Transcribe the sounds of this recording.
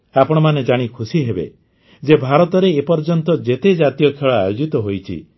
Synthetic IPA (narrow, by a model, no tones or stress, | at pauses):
apɔɽ̃ɔmaned͡ʒaɽ̃ikʰusiɦebḛ | d͡ʒebʱaɾɔt̪ɔɾeːpɔɾd͡ʒɔnt̪ɔd͡ʒet̪ed͡ʒat̪ijɔkʰeɭɔajod͡ʒit̪ɔɦojt͡ʃʰḭ